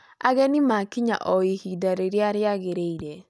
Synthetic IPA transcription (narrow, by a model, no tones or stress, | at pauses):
a̰ɣɛnimakiɲa̰ʔɔihidaɾeɾjaɾjaɣeɾeiɾe